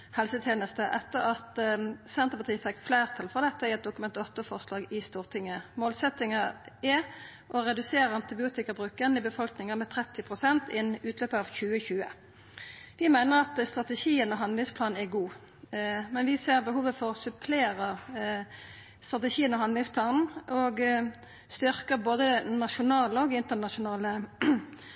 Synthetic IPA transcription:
hɛlsət̪ʰjeːnəst̪əʔɛt̪ːəʁɑt̪sɛnt̪əpɑt̪ʰiːfɛkːflæɪʁt̪ʰɑlfʁɔʁd̪ɛt̪ːəɪɛt̪̚d̪ʊkʉmɛnt̪ɔt̪ːəfɔʁslɑːɡɪst̪uːʁt̪ʰɪŋːəmoːlsɛt̪ːɪŋɑɛ | ʔɔʁɛd̪ʉseːɾʁəɑnt̪ɪbɪuːt̪ɪkɑbʁʉːkənɪbəfɔlknɪŋəmɛt̪ʰʁɛt̪ːɪpʰʁʊsɛnt̪ɪnʉːt̪løːpəɑːʋçʉːəçʉːə̰ | ʋɪmæɪnəʁɑt̪st̪ʁɑt̪ɛʃiːənɔɦɑnd̪lɪŋspʰlɑːn̩æɡuː | mɛnʋɪseːʁbəɦuːʋəfɔʁsʉpʰleːʁə | st̪ʁɑt̪ɛʃiːənɔɦɑnd̪lɪŋspʰlɑːnn̩ʔɔɡ | st̪ʏʁkəʁboːd̪ənɑʃʊnɑːləɔɡɪnt̪ənɑʂʊnɑːlə

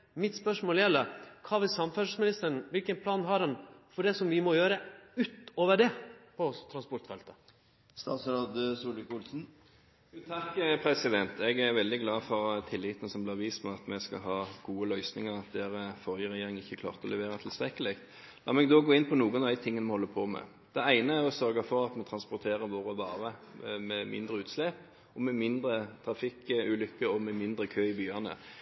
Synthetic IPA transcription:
mɪt̪spœʂmoːljɛlːəkʰɑːʋɪlsɑmfœʂəsmɪnɪst̪əɳ̩ʋɪlkənpʰlɑːnɦɑɖɛnfɔɖɛsɔmʋɪmɔjøːɾəʉːt̪oːʋəɖɛpʰɔt̪ʰɾɑnspɔɾʈ̪fɛlt̪ə̥ | st̪ɑːt̪sɾɑd̪suːlʋɪkʊlsn̩ː | t̪ʰɑkːpʰɾɛsɪd̪ɛnt̪ʰɛɡæɾʋɛld̪ɪɡlɑːfɔʁt̪ʰɪlːɪːt̪ənəsɔmblɪʋiːst̪mɛɑt̪mɛskɑ̰ɦɑːɡ̥uːəlœʏsnɪŋəɾɑt̪̚d̪ɛːɾəfɔʁjəʁɛjeːɾɪŋɪçːəkʰlɑ̰ːʁt̪əɔlʔɛʋeːʁɑt̪ʰɪlst̪ʁɛkːəlɛkt̪ | lɑːmɛɡd̪ɔɡoːɪnpʰɔnuːənɑʋd̪æɪt̪ʰɪŋːənmɛhɔlːəpʰɔmɛ̰ | d̪̥ɛæɪnəæɾɔsœɾɡɑfɔɾɑt̪mɔt̪ʰɾɑnspʊɾt̪ʰeːɾəʋoːɾəʋɑːʁəmɛmɪ̰nd̪ɾəʉːt̪slɛp | ɔmɛmɪnd̪ɾət̪ʰɾɑfɪkʉlʏkːəɔmɛmɪnd̪ɾəkʰøːɪbyːɑnə̰

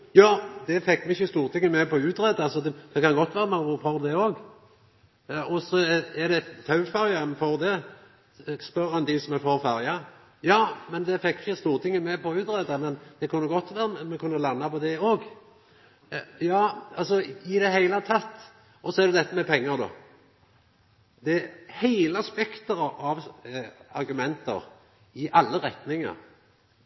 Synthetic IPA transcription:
jɑːd̪ɛfɛkːmɛɪçːəst̪uːɾt̪ʰɪŋːəmɛpʰɔʉːt̪ɾɛd̪ɑsɔd̪ɛd̪̥ɛkɑnɡɔt̪ːʋæːɾəmɑfɔɾd̪ɛoːɡ | ɔsɔɛɾd̪ɛt̪ʰɑʉfɑɾjənfɔɾd̪ɛ | spœɾɛnd̪ɪsɔmɛfɔʁfæɾjɑ | jɑːmɛnd̪ɛfɛkːɪçəst̪uːɾt̪ʰɪŋːəmɛpɔʉːt̪ɾɛd̪ɑmɛnd̪̥ɛkʰʉnːəɡɔt̪ːʋæːʁəmɛmɛkʰʉnːəlɑnːɑpɔd̪ɛoːɡ | jɑːɑlsɔɪd̪ɛɦæɪlət̪ʰɑt̪ː | ʔɔsɔɛɾd̪ɛd̪ɛt̪ːəmɛpʰɛŋːəd̪o̰ː | d̪ɛhæɪləɑspɛkt̪əɾɑɑʋ | ɑɾɡʉmɛnt̪ə̰ʁ | ɪʔɑlːəʁɛt̪nɪŋɑ̰ɾ

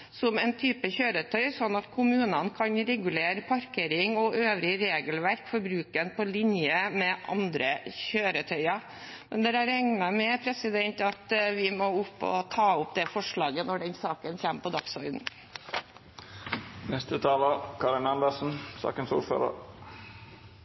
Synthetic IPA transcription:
sɔmɛnt̪ʰyːpəçøːɾət̪ʰœʏsɔnːɑt̪kʰʊmʉːnənkʰɑnɾɛɡʉleːɾəpʰɑɾkeːɾɪŋɔʔøːʋɾɪɾeːɡəlʋæɾkfɔɾbɾʉːkənpʰɔlɪnjəmɛʔɑ̰nd̪ɾəçøːɾət̪ʰœʏɑ | mɛnd̪ɛɾæɾɛŋnɑmɛpʰɾɛsɪd̪ɛnt̪ɑt̪ʋɪmɔʊpːɔ̰t̪ʰɑːʊpd̪ɛfɔʂɭɑːɡənɔɖɛnsɑːkənçæmpʰɔd̪ɑksɔɾd̪n̩ | nɛst̪ət̪ʰɑːləkʰɑːɾɪnɑnd̪əsn̩sɑ̰ːkənsṵːɾfø̰ːɾə̰ɾ

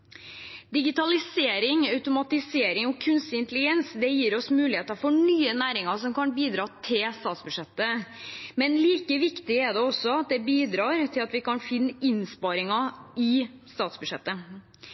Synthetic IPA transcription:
d̪ɪɡɪt̪ɑlɪseːɾɪŋɑʉt̪ʊmɑt̪ɪseːɾɪŋɔkʰʉnst̪ɪnt̪lɪɡɛnsd̪ɛjiːɾɔsmʉːlɪheːt̪ɑɾfɔɳyːənæːɾɪŋɑɾsɔmkɑnbiːd̪ɾɑːt̪ʰɪlst̪ɑːt̪sbʉʂɛt̪ːəmɛnliːkəʋɪkt̪ɪɛd̪ɛɔsːɔɑt̪̚d̪ɛbiːd̪ɾɑːɾt̪ʰɪlɑt̪ʋɪkɑnfɪnːəɪnspɑɾɪŋɑɪst̪ɑːt̪sbʉʂɛt̪ːə

